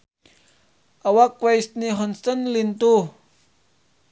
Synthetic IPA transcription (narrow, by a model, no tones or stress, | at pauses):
ʔawakwejstniɦɔnsɐnlint̪u